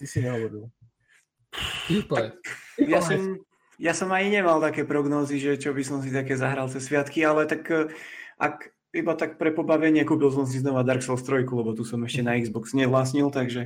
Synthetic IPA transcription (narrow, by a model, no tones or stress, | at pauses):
t̪isiɲɛɔʋɛbil | ip̪akjasɔm | jasɔmaɲiɲɛmalt̪akɛːpɾɔɡnɔːziʒɛt͡ʃɔbisɔms̬it̪akɛːzaɦɾalˠt͡sɛsʋɪat̪kialɛt̪ak | ʔa̰k | ibat̪ak̚pɾɛpɔbaʋɛɲɪɛkuːpils̬ɔms̬iznɔʋad̪aɾksɛlst̪ɾɔjkulɛbɔt̪usɔmɛʃcɛnaiɡzbɔksɲɛʋlaːs̬ɲilt̪aɡʒɛ